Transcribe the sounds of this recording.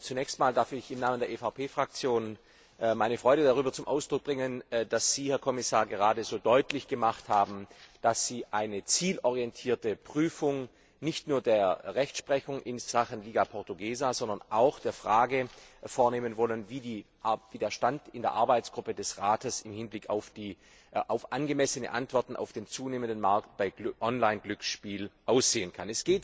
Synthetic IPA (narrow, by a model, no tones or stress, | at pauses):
t͡sunɛːçstmaːldaɐfɪçɪmnaːməndeːɐʔefaʊpʰeːfʁ̥ak̚t͡sjoːn | ʔmaɪnəfʁ̥ɔʏɾədaʁyːbɐt͡sʊmʔa̰ʊsd̥ʁʊk̚b̥ʁɪŋənd̥asz̥iːhɛɐkʰɔmɪsaːɐɡəʁaːdəzoːdɔʏtlɪçɡ̥əmaχthaːbm̩d̥asz̥iːʔaɪnət͡siːlʔɔʁijɛntʰiːɐtəpʁ̥yːfʊŋ | nɪçtnuːɐdeːɐʁɛçtʃpʁ̥ɛçʊŋʔɪnz̥aχənliːɡapʰɔʁtuɡeːzazɔndɐ̃nʔaʊxd̥eːɐfʁ̥aːɡəfoːɐneːmənvɔlənviːdiː | viːdeːɐʃtantɪndeːɐʔaɐbaɪt͡sɡ̥ʁʊpədɛsʁaːtəsɪmhɪnblɪkʰa̰ʊfd̥iː | ʔaʊfʔanɡəmɛsənə̰ʔantv̥ɔɐtn̩ʔa̰ʊfd̥eːnt͡suːneːməndənmaɐk̚t̚b̥aɪ̥ʔɔnlaɪnɡlʏksʃpiːlʔaʊsz̥eːənkʰanɛsɡ̥eːt